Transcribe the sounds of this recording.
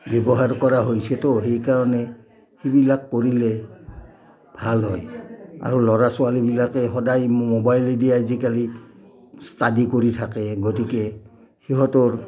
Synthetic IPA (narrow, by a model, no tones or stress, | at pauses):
bebɔɦaɹkɔɹaɦojsɛtɔɦejkaɹɔnɛ | hibilakːoɹilɛ | bʱalɦɔja̰ɹulɔɹasʊalibilakɛɦɔdajmobajlidijazikali | stadikoɹitʰakɛɡotikɛ | xiɦɔtɔɹ